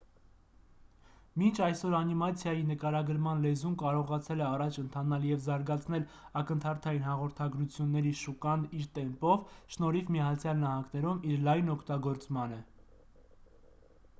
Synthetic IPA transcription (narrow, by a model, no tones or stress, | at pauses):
mint͡ʃʰɑjsɔɾɑnimɑt͡sʰjɑjinəkɑɾɑɡəɾmɑnlɛzumkɑɾɔʁɑt͡sʰɛlɛɑrɑt͡ʃʰənt̪ʰɑnɑljɛvzɑɾɡɑt͡sʰn̪ɛlɑkənt̪ʰɑɾt̪ʰɑjinhɑʁɔɾt̪ʰɑɡɾut͡sʰjunːɛɾiʃukɑniɾt̪ɛmpɔvʃnɔɾivmiɑt͡sʰjɑlnɑhɑŋɡnɛɾumiɾlɑjnɔkʰt̪ɑɡɔɾt͡smɑnə